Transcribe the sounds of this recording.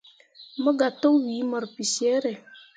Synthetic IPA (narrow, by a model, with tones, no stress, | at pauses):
mə˦ɡa˨to˦wi˨˦mɔ˨ɾpi˨sje˨˦ɾe˨